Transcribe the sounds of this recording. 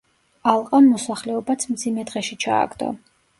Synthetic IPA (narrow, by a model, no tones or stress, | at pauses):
alˠqʼamːɔsaχlɛɔbat̪sʰmd̪zimɛd̪ʁɛʃit͡ʃʰa̰ːɡd̪ɔ̰